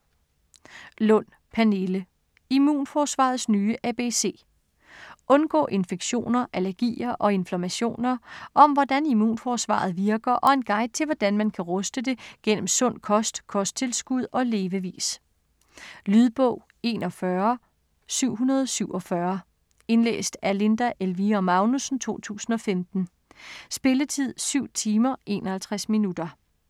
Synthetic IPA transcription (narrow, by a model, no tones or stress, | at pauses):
lɔ̽n̰ | pʰæne̝lə | imṵːnfɒːsʋɑ̰̈ð̞̩ˠsnyːəʔæb̥e̝se̝̰ː | ʔɔ̽nɡ̥ɔ̰̽ːʔe̝nfeɡ̥ɕo̝̰ːnɐʔælɐɡ̥ḭːɐʔɒ̽e̝nflæmæɕo̝̰ːnɐʔɒ̽mʋɒd̥ænimṵːnfɒsʋɑ̰̈ð̞̩ˠʋiɐɡ̥ɐʔɒ̽e̝nɡ̥ɑ̈ɪ̰d̥̚t͡sʰe̝lʋɒd̥ænmænkʰæʁɔsd̥əd̥e̝ɡ̥en̰m̩sɔ̽n̰kʰɒ̽sd̥kʰɒ̽sd̥̚t͡sʰe̝lsɡ̥uð̞ˠɒ̽le̝ːʋəʋḭːs | lyð̞ˠb̥ɔ̰ʊ̰ | e̝̰ːnɒ̽fɶɐ | syʊ̰ɦunɐð̞ˠsyʊ̰ɒ̽fɶɐ | e̝nlḛːsd̥æle̝nd̥æʔelʋiɒmɑ̈ʊnusn̩t͡sʰo̝̰ːt͡sʰṵːsn̩ɒ̽femd̥n̩ | sb̥e̝lət͡sʰið̞̰ˠsyʊ̰t͡sʰiːmɐʔe̝̰ːnɒhælt͡sʰʁasminud̥ɐ